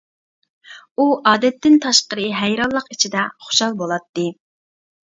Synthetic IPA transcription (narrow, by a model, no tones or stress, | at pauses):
uʔɑːd̪ɛt̪ːɪnt̪ʰɑʃqəɾɨɦæjɾɑlˠːəqit͡ʃʰid̪ɛχo̥ʃɑlˠbolˠɑt̪ːɨ